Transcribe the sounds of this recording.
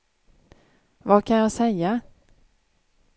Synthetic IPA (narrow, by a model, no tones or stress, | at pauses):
vakʰanjɑːsɛjːa